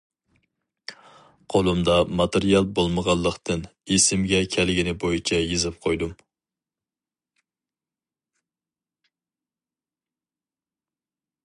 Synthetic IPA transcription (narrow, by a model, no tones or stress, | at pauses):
qʰolˠumd̪ɑmɑt̪ʰeɾijɑlˠbolˠməʁɑlˠːəqt̪ʰɨnesɪmɡʲɛkʲʰælɡʲɪnɪbojit͡ʃʰɛjezɪp̚qʰojd̪um